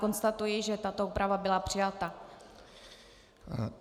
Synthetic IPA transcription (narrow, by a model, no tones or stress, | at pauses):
ko̞nst̪at̪ujɪʒɛt̪at̪ouːpɾavabɪlapr̥ɪjat̪a